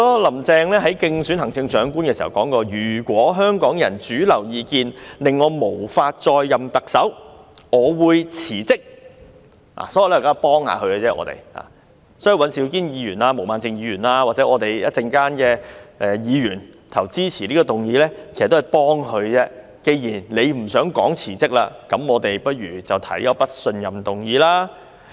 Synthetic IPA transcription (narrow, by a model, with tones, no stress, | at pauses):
ɔ˥lɐ˨˩mt͡sɛː˧ŋlɛː˥ɦɐ˨˥jkɪ˧ŋsyː˨˥nhɐ˨˩ŋt͡sɪ˧ŋt͡ʃœː˨˥ŋkuː˥nkɛ˧si˨˩ɐ̰˨˩wkɔː˨˥ŋkɔː˧jyː˨˩kwɔː˨˥ɦœː˥ŋkɔː˨˥ŋjɐ˨˩nt͡ʃyː˨˥lɐ˨˩wjiː˨˧kiː˧nlɪ˨ŋːɔː˨˧mo˨˩wfaː˧t̚t͡ʃɔː˧jːɐ˨mt̪ɐ˨k̚sɐ˨˥wŋɔː˨˧wuː˨˧jt͡sʰiː˨˩t͡sɪ˥k̚ | a̰˨˩sɔː˨˥jlɛː˥˨˩kaː˥˨˧pɔː˥ŋha̰ː˨˧kʰɵ˧ɥkɛ˧t͡sɛː˥ʔɔ̰ː˨˧t̪ḛ˨jha̰ː˨˩ | sɔː˨˥ji˧˩wɐ˨˥nsi˨˥wkiː˥njiː˨˧jyː˨˩nlaː˧mo˨˩wmaː˨nt͡sɪ˨˧ŋjiː˨˧jyː˨˩nlaː˧waː˨t̚t͡sɛ˨˥ɔː˨˧t̪e˨jjɐ̰˥t̚t͡sɪ˧ŋkaː˥nkɛː˧ʔɛ˨˧jiː˨˧ɥyː˨˩nt̪ʰɐ˨˩wt͡siː˥t͡sʰiː˨˩liː˥kɔ˧t̪ʊ˨˩ŋjiː˨˧lɛː˥kʰe˩st̪ːjpɔː˥ŋhɵ˨˧ɥt͡sɛː˥ | ke˧jjiː˨˩nle˨˧jm̩˨˩sœː˨˥ŋkɔ̰ː˨˥ŋt͡sʰiː˨˩t͡sɪ˥k̚la̰ː˧kɐ˨˥mɔː˨˧t̪e˨jpɐ˥t̚ɥyː˨˩t͡sɐ˨wt̪ʰɐ̰˨˥jkɐ˧˥pɐ˥t̚sɵ˧njɐ˨mt̪ʊ˨ŋjiː˨˥laː˥